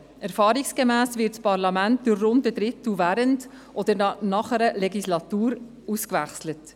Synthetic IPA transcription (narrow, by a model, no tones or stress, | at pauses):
ɛɾfɑːɾiksɡ̥əmæːsvɪtt͡spɑɾlɑmænt̚d̥ʊrːʊndədɾɪtuvæːɾənd | ʔɔd̥̪əɾnɑχəɾəlɛɡislɑt̪uːɾ | uskvæχslət